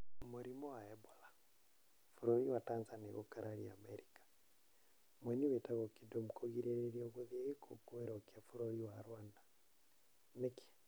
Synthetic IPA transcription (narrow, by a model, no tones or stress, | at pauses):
muɾimɔwaɛbɔla | fuɾɔiwatanzaniɣɔkaɾʔaɾia̰mɛɾikḁ | mwɛɲiwetaɣɔkidomukʰoɣiɾeɾeɾiɔɣuðieɣekʰo̰kuwɛɾɔkiafuɾɔiwaɾwanda | neki̥